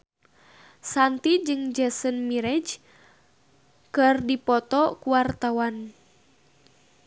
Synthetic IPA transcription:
sant̪id͡ʒɨŋd͡ʒɛsənmiɾɛd͡ʒ | kɨrdipɔt̪ɔkuwart̪awan

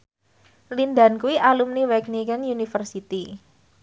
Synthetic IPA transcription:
linda̤nkuwiʔalumniwɛknikɛnjunifərsit̪i

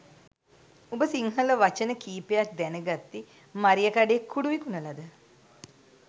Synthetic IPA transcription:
ubəsiŋɦələʋat͡ʃənəkiːpejak̚d̪ænəɡat̪ːi | maɾijəkaɖeekʰːuɽuʋikunəlad̪ə

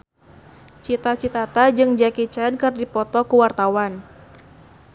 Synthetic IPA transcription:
t͡ʃit̪at͡ʃit̪at̪ad͡ʒɨŋd͡ʒakit͡ʃɛnkɨrdipɔt̪ɔkuwart̪awan

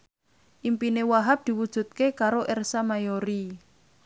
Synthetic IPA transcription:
ʔimpinewaɦap̚d̪̥i̤wud̥ʒ̥ṳt̪̚kekaɾoʔɛrsamajoɾi

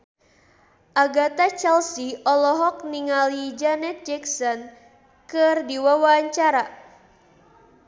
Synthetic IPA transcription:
ʔaɡat̪at͡ʃɛlsiɔlɔɦɔk̚niŋalid͡ʒanɛt̪̚d͡ʒɛksɔn | kɨrdiwawaaɲt͡ʃaɾa

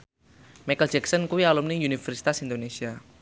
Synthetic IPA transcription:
mɛkəld͡ʒɛksɔnkuwialumniunifɛrsi̥t̪asind̪onesia

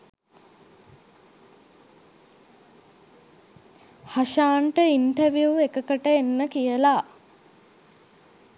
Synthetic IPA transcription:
haʃaːɳʈəinʈəɾʋjuekəkəʈəenːəkijəla

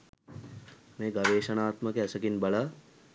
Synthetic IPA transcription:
meːɡɐʋeːʃɐnaːt̪məkeɛsɐkinbɐlaː

